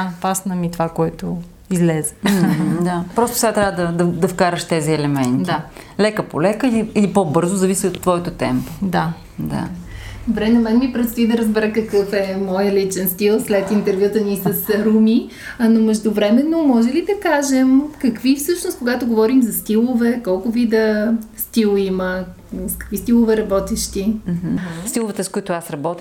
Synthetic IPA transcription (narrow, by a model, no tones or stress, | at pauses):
apasnɐmit̪ovakoɛt̪o | izlɛzɛ̥d̪apɾɔst̪ʊ̥sɛɡat̪ɾʲavəd̪ɐd̪ɐd̪ɐfkaɾəʃt̪ɛziɛlɛmɛnt̪ia | lɛkəpolɛkəiliilipobɤɾzozɐvisiot̪ːvɔɛt̪ot̪ɛmpo̥d̪a | d̪a̰d̪obɾɛnɐmɛnmipɾɛst̪id̪ɐɾəzbɛɾəkɐkɤfɛmɔjəlit͡ʃɛnst̪ilˠslɛt̪int̪ɛɾvʲjut̪ənisɐsɾumi | nomɛʒd̪ʊvɾɛmɛnomɔʒɛlid̪ɐkaʒɛmkɐkvifsɤʃnoskoɡat̪oɡovɔɾimzɐst̪ilˠovɛkɔlˠkʊvid̪əst̪ilˠimə | skɐ̥kvist̪ilˠovɛɾɐbɔt̪ɛʃt̪im̩h̩st̪ilˠovɛt̪əskoit̪ʊasɾɐbɔt̪i